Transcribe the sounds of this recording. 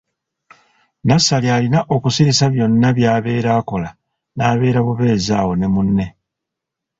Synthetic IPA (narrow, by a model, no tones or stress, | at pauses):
nasalialinaʔo̞kusiisaβjo̞nːaβjaːβe̞ːɾaːko̞la | naːβe̞ːɾaβuβe̞ːzaːwo̞ne̞munːe̞